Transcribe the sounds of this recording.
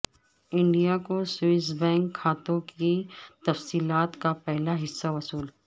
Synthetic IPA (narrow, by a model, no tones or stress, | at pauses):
ɪ̃ɳɖijakoswiɪs̬bɛ̃ːŋkʰːaːt̪õkit̪ɐfsiːlaːt̪kapɛɦlaɦɪsːaʋɐsuːl